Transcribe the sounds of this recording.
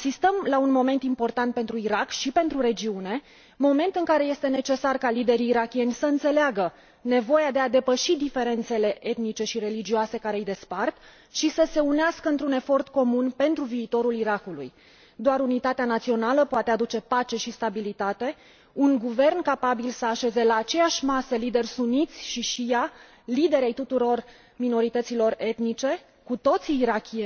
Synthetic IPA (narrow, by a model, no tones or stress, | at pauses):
sist̪əmlaunmo̞me̞nt̪impo̞rt̪ant̪̚pe̞nt̪ɾuiɾakʃipe̞nt̪ɾuɾe̞d͡ʒiune̞ | mo̞me̞nt̪ɨŋkaɾe̞je̞st̪e̞ne̞t͡ʃe̞sarkalid̪e̞ɾiːɾakʲie̞nʲsəɨnt̪se̞leaɡə | ne̞vo̞jad̪e̞ad̪e̞pəʃid̪ife̞ɾe̞nt̪se̞le̞ʔe̞t̪nit͡ʃe̞ʃiɾe̞lid͡ʒioase̞kaɾe̞ɨjd̪e̞spart̪ | ʃisəse̞uneaskəɨnt̪ɾune̞fo̞rt̪ko̞munpe̞nt̪ɾuviːt̪o̞ɾuliɾakulṵj | d̪oaɾunit̪at̪eanat̪sio̞naləpoat̪ead̪ut͡ʃe̞pat͡ʃe̞ʃist̪abilit̪at̪e̞ | uŋɡuve̞rnkapabilsəaʃe̞ze̞laːt͡ʃe̞jaʃʲmasəlid̪e̞rʲsunit̪sʲʃiʃija | lid̪e̞ɾe̞jt̪ut̪uɾo̞r | mino̞ɾit̪ət̪silo̞re̞t̪nit͡ʃe̞ | kut̪o̞t̪siːɾakʲie